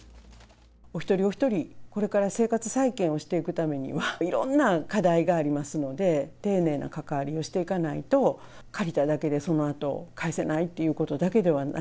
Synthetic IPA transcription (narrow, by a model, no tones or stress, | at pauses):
o̞çi̥t̪o̞ɾʲio̞çi̥t̪o̞ɾʲiko̞ɾe̞kaɾase̞ːkat͡sɨ̥saikẽɰ̃o̞ɕi̥t̪e̞ikɯ̟t̪ame̞ɲ̟ḭβaiɾõ̞̰nːakad̪aiɡaːɾʲimasɨno̞d̪e̞t̪e̞ːne̞ːnʔa̰kakaβaɾʲio̞ɕi̥t̪e̞ikanait̪o̞ | kaɾʲit̪ad̪ake̞d̪e̞so̞no̞at̪o̞̰kaese̞nait̪ːe̞jɯ̟ːko̞t̪o̞d̪ake̞d̪e̞βa